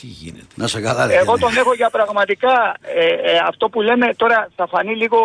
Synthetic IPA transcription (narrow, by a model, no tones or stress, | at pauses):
t̪iʝḭnet̪enɐseɡɐlɐe̞ɣo̞t̪o̞ne̞xo̞ʝɐpɾɐɣmɐt̪ikɐeɐft̪o̞pule̞me̞t̪o̞ɾɐsɐfɐniliɣo̞